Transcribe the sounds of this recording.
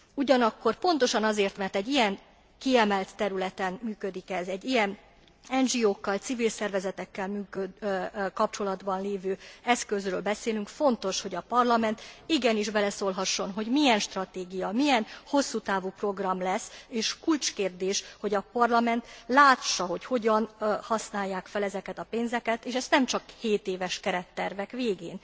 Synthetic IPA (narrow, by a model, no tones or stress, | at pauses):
uɟɒnɒkːo̞rpo̞n̪t̪o̞ʃɒnɒzeːrt̪mɛrt̪ɛɟːijɛŋ | kiɛmɛlt̪ːɛɾylɛt̪ɛnmyːkød̪ikɛzɛɟːijɛn | ɛnʒioːkːɒlt̪sivilsɛrvɛzɛt̪ɛkːɛlmyːkøkɒp̚t͡ʃo̞lɒd̪bɒnleːvøːɛskø̞zrøːlbɛseːlyŋkfo̞nt̪o̞ʃho̞ɟɒpɒrlɒmɛnt̪iɡɛniʒbɛlɛsoːlɦɒʃːo̞nɦo̞ɟmiɛnʃt̪rɒt̪eːɡijɒmijɛnho̞sːuːt̪aːvuːpro̞ɡrɒmlɛsːeːʃkult͡ʃkeːrd̪eːʃho̞ɟɒpɒrlɒmɛnt̪laːʃːɒɦo̞cho̞ɟɒnhɒsnaːjːaːkfɛlɛzɛkɛt̪ɒpeːnzɛkɛt̪eːʃɛst̪nɛmt͡ʃɒkheːt̪eːvɛʃkɛɾɛt̪ːɛrvɛkʋeːɡeːn